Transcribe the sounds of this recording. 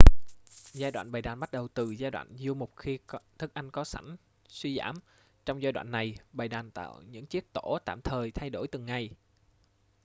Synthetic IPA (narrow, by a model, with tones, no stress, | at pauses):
zaː˧jɗwa̰ː˧˨nɓaː˨˩jɗaː˨˩nɓa˦˥t̚ɗə˨˩wt̪ɨ˨˩zaː˧jɗwa̰ː˧˨nzu˧əmo˨˩k͡p̚xi˧t̪ʰɨ˦˥k̚ʔa˧jŋ̟kɔ˨˦sa˧˩jŋ̟ | swi˧za̰ː˧˩m | t͡ɕɔ˧wŋ͡mzaː˧jɗwa̰ː˧˨nːa˨˩jɓa˨˩jɗaː˨˩nt̪a̰ː˧˨wɲɨ̰˧˥ŋt͡ɕi˦˥ək̚t̪o˧˥t̪a̰ː˧˨mt̪ʰəː˨˩jt̪ʰa˧jɗo˧˩jt̪ɨ˨˩ŋːa˨˩j